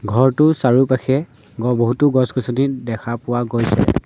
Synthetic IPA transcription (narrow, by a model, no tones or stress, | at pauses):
ɡʱɔɹtʊsaɹupaxʰɛ | ɡɔboɦutʊɡɔsɡɔsɔnidɛkʰapʊwaɡojsɛ̰